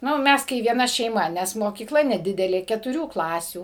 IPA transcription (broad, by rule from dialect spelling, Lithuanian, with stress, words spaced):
ˈnʊ ˈmʲɛs kɐɪ ʋʲiɛˈnɐ ʃʲɛɪˈmɐ ˈnʲɛs moːkʲiːˈklˠɐ nʲɛˈdʲɪdʲɛlʲeː kʲɛtʊˈrʲuː ˈklˠɑːsʲuː